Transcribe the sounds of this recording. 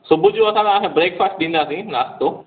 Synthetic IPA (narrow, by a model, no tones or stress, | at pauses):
sʊbʱʊd͡ʑõɐsãsãɦẽbɾeːkfaːsʈ̚ɗĩːnd̪aːsĩnaːst̪oː